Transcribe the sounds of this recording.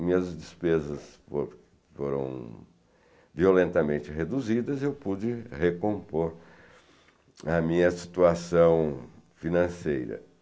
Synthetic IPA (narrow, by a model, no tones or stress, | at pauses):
mĩɲɐzd͡ʒɪspezɐsfo̰ɾ | foɾɐ̰̃w̃ | violẽnt̪ɐmẽnt͡ʃɪɦed̪uzid̪ɐzewpud͡ʒɪhekõpoɾ | ɐmĩɲɐsi̥t̪uasɐ̃w̃finɐ̃sejɾɐ̰